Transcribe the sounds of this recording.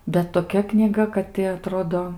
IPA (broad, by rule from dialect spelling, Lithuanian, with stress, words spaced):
bʲɛt toːˈkʲɛ knʲiːˈɡɐ kɐt tʲɪ ɐˈtroːdoː